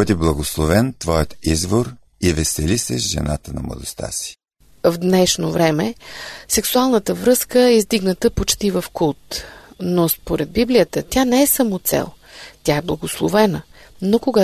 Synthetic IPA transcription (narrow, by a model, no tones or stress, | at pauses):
bəd̪ʲiblˠɐɡoslˠovɛnt̪vɔjət̪izvoɾ | ivɛsɛlisɛʃʒɛ̰na̰t̪ənɐ̰mlˠə̰d̪ost̪a̰si̥ | vd̪nɛʃnovɾɛmɛsɛksualˠnət̪əvɾɤskəɛizd̪iɡnət̪əpot͡ʃt̪ivəfkulˠt̪nospoɾɛd̪̚biblijət̪ət̪ʲanɛɛsamot̪sɛ̰lˠt̪ʲjaɛblˠɐɡoslˠovɛnə | nokoɡa